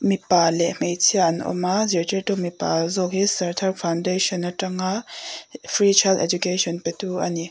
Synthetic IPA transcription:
mipalemejt͡sʰianɔ̰maziɾtetɔmipazɔk̚hisɐɾtʰaɾpʰawndesɔnːɐtɐŋa | pʰɾit͡ʃʰajltɛd͡ʒukesʰɔnpetuʔɐni

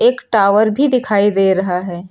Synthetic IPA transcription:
eːkʈaːʋəɾbʱid̪ɪkʰaːid̪eːɾɐɦaɦɛː

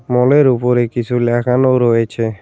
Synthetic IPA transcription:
moleɾupoɾekɪsulakʰanoɾoet͡ʃʰe

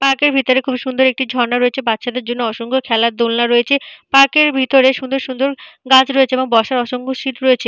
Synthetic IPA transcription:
paɾkeɾbʱit̪oɾekʰubʱiʃund̪oɾek̚ʈid͡ʑʱɔɾnaɾoet͡ɕʰebatːʃad̪eɾd͡ʑonːoɔʃoŋkʰokʰɛlaɾd̪olnaɾoet͡ɕʰepaɾkeɾbʱit̪oɾeʃund̪oɾʃund̪oɾɡat͡ɕɾoet͡ɕʰeeboŋbɔʃaɾɔʃoŋkʰoʃit̪ɾoet͡ɕʰe

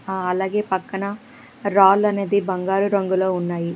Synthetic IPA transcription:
ɐlaːɡe̞ːpɐkːɐnɐ | ɾaːlɐne̞ːd̪ibɐŋɡaːɾuɾɐŋɡulo̞ːunːaːji

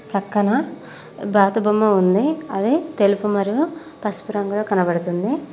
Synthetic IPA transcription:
pɾɐkːɐɳɐ | bʱaːt̪ɐbɐmːɐund̪iɐd̪it̪e̞lupumɐɾiju | pɐspuɾɐŋɡɐloːkɐnɐbɐɽut̪und̪i

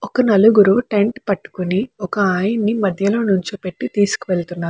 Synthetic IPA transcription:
ɔkɐnɐluɡuɾuʈe̞ɳʈpɐʈːu̥kuniɔkɐaːjinːimɐd̪ʱjɐlo̞ːnuɲt͡ʃipe̞ʈːit̪iːsu̥kuʋeɭt̪unːaːɾu

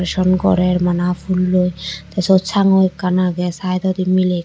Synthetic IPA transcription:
ɾeʃɔnkɔ̰ɾeɾmanafʰulːojt̪asot͡ɕʰaŋojkanaɡɛsajt̪ɔd̪imilek

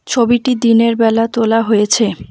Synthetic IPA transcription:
t͡ɕʰobiʈid̪ineɾbɛlat̪olaɦojet͡ɕʰe

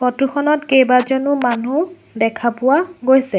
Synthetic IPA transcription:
xɔtuxʰɔnɔtkejbazonumanu | dɛkʰapʊwaɡojsɛ

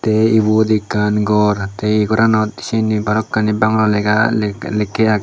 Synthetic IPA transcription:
t̪eibod̪ikːanɡɔɾt̪eɡɔɾanɔt̪̚i̥sinibaɾɔkːanibaŋɾɔlɛɡalɛkːɛak̚

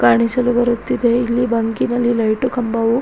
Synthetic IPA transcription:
kaːɳisɐlubɐɾut̪ːid̪e̞ilːibɐŋkinɐlːilɐjʈukɐmbɐʋu

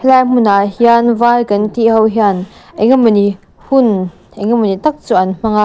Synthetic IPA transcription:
hlajm̥unahianvalkɐnt̪iʔɦɐwɦianʔeŋɐmɐni | hun | ʔeŋɐmːɐnit̪ɐk̚t͡suʔɐnm̥ɐŋa

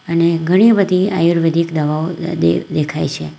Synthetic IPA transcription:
əneɡʱəɽ̃ibəd̪ʱia̰juɾʋed̪ʱikd̪əʋaoḛd̪ekʰajt͡ʃʰe

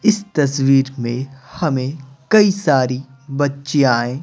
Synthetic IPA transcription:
ɪst̪ɐswiːɾmẽhɐmẽkɐisaːɾibɐtːʃeaːẽː

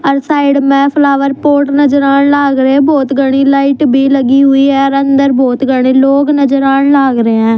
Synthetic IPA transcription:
əɾsaːɪɖmɛ̃ːpʰlaːʋəɾpoːɾʈnəd͡ʒəɾaːnlaːɡɾeːboːt̪ɡəɽ̃iːlaːɪʈbʱiːləɡiːɦʊiːɦɛːəɾənd̪əɾboːt̪ɡəɽ̃ĩːloːɡnəd͡ʒəɾaːnlaːɡɾeɛ̃ː

